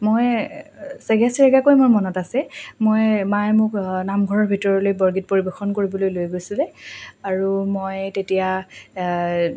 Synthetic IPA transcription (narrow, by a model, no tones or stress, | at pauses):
moj | sɛɡɛsiɹɛɡakojmʊjmɔnɔtasɛmojmaɛmʊknamɡʱɔɹɔɹbʱitɔɹɔlojbɔɹɡit̚poɹibɛxɔnkoɹibɔlojlojɡojsilɛaɹumojtetija